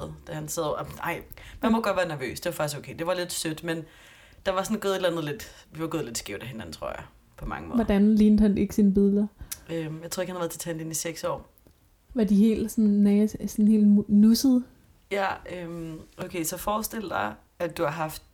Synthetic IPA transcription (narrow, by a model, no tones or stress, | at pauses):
ð̩ˠd̥æhænsɛðˠʔɑ̈ɪ̰mænmɒ̽ɡ̥ɒ̽d̥ʋæːɐnæɐʋø̰ːsd̥e̝ʋɑ̈fɑ̈ɡ̥isɡ̥oʊkʰeɪd̥e̝ʋɑ̈le̝d̥sød̥men | d̥ɑ̈ʋɑ̈sɔnɡ̥ɔ̽ːð̩ˠe̝dlænð̞̩ˠle̝d̥ʋiʋɑ̈ɡoːðˠle̝d̥sɡ̥eʊd̥æɦe̝næn̩t͡sʰʁo̝ɐ̰jɑ̈ | pʰɒ̽mɑ̈ŋəmɔ̽ʋɒd̥ænliːnd̥hæne̝ɡ̥əsinəb̥iðˠlɐømjɑt͡sʰo̰ɐeɡhænhʋæɐðˠʰe̥ɐt͡sʰæendeniseɡ̥sɒ̰ː | ʋɑ̈diɦe̝̰ːld̥sɔnnɛsɒnhe̝̰ːl̥nusəð̩ˠ | jæømʔoʊkʰeɪsɒ̽fɒːsd̥el̰əd̥ɑ̈ɪ | ædd̥uhɑ̈ɦɑ̈fd̥